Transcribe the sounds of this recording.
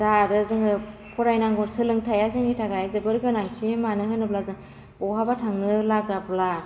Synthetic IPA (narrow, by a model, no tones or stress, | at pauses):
zaɾɯzɯŋɯpʰɔɾajnaŋɡɔɾsɯlɯŋtʰajazɯŋitʰaɡajzɯbɯɾɡɯnaŋtʰimanɯɦɯnɯblazɯŋ | bɔɦabatʰaŋnɯlaɡabla